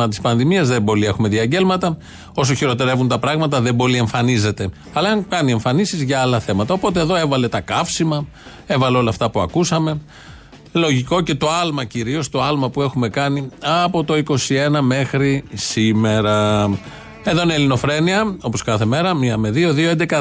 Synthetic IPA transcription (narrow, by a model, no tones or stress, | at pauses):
ɐt̪ispɐnðimiɐzðebo̞lie̞xume̞ðiɐɟe̞lmɐt̪ɐ | os̬oçiɾo̞t̪eɾe̞vunt̪ɐpɾɐɣmɐt̪̬ɐðe̞bo̞lie̞ɱfɐnize̞t̪e̞ | ɐlɐɐŋkɐnie̞ɱfɐnisizʝɐɐlɐθe̞mɐt̪ɐo̞po̞t̪e̞eðo̞e̞vɐle̞t̪ɐkɐfsimɐ | e̞vɐleolɐːft̪ɐpuɐ̰kusɐme̞ | lo̞ʝiko̞ce̞t̪o̞ɐlmɐciɾio̞st̪o̞ɐlmɐpue̞xume̞kɐniɐpo̞t̪o̞iko̞sie̞nɐme̞xɾisime̞ɾɐ | e̞ðoinelino̞fɾe̞niɐo̞po̞skɐθe̞me̞ɾɐmiɐme̞ðio̞ðioend̪ekɐ